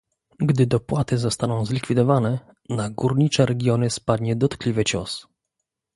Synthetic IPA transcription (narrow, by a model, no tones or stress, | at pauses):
ɡd̪ɘd̪ɔpwat̪ɘzɔst̪anɔ̃w̃zlʲikfʲid̪ɔvanɛ | naɡuɾɲit͡ʂɛɾɛɡʲjɔnɘspad̪ɲɛd̪ɔt̪klʲivɘt͡ɕɔ̰s